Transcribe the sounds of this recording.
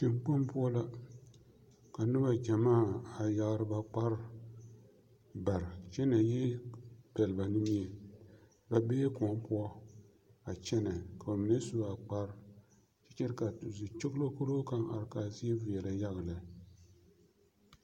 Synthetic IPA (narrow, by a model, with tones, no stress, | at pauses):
t͡ʃɪ˨mk͡pa˦mpʊ˦ɔ˦la˦ | ka˨nɨ˦ba˦d͡ʒa˨maː˦a˨ja˦ɡɾɨ˦ba˨k͡pa˦ɾ | ba˨ɾt͡ʃɛ˦na˨jɛ˦b̥ɛ˨lɨ˨ba˨nɨ˦mi˦ɛ˨ | ba˨beː˦kɔ˨˦mpʊ˦ɔ˦ | a˨t͡ʃɛ˦na˨ka˨ba˨mɨ˨nɛ˦su˦a˨k͡pa˦ɾ | t͡ʃɛ˦t͡ʃɛ˦ɾka˨zi˨t͡ʃɪ˦ɣlo˦ko˦ɾo˦ka˨ŋa̰˨ɾkaː˨zi˦ɛ˦vi˨ɛ˨la˨ja˦ɣɨ˨la˨